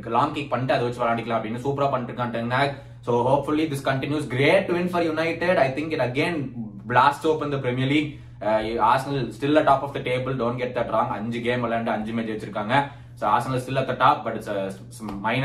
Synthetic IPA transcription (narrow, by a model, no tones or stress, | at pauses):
kːlɔ̃ːŋkik̚pɐɳːiʈːɐðɯʋɐt͡ʃːɯʋɐɾaːɳɖɪkːɐlãːɐpːɽĩnːɯsuːpɾaːpɐɳːɪʈɾɯkːãːʈ̪ɐŋɡnaː | soːɦoːpfʊlid̪ɪskɐ̃ɳʈɪ̃njuːsɡɾeːʈːuɪ̃nfɔɾjʊnɐɪʈɪɖɐɪt̪ʰɪ̃ŋkɪ̃nɐɡẽːnblaːsʈoːpɐnd̪ɐpɾɛmɪjɐɾliːɡ | ɪaːɾsɐnɐlsʈɪlɐʈaːpɔfd̪ɐʈeːbəlɖõːnʈɡɛʈ̚d̪ɐʈɾɔ̃ːŋɡɐ̰ɲd͡ʒɨɡeːmɐlːɐɾɐɳɖɯɐɲd͡ʒɨmeːd͡ʒeʋɐt͡ʃːɪɾɯkːaːŋɡɐ | soːaːɾsɐnɐlsʈɪlːɐt̪ɐʈaːp̚bɐʈ | mɐɪn